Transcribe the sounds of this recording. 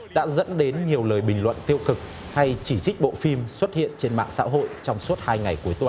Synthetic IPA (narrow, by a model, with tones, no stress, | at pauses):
ɗa̰ː˧˥zə̰˧˥nɗe˨˦nɲi˨˩əwləː˨˩jɓï˨˩ŋ̟lwə̰˧˨nt̪i˧əwkɨ˨˩k̚ | ha˧jt͡ɕi˧˩t͡ɕi˦˥k̟̚ɓo̰˧˨fi˧mswə˦˥t̚hḭ˧˨ənt͡ɕe˧nma̰ː˧˨ŋsa̰ː˧˥ɦo̰˧˨jt͡ɕɔ˧wŋ͡mswu˦˥t̚haː˧jŋa˨˩jku˨˦əjt̪wa˨˩